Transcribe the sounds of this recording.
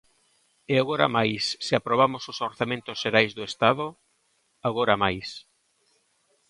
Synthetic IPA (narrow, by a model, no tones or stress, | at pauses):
eaɣoɾa̰majsːeapɾoβ̞amosʊsoɾθamẽnt̪ʊsʃeɾajzðʊest̪aðo | aɣoɾamajs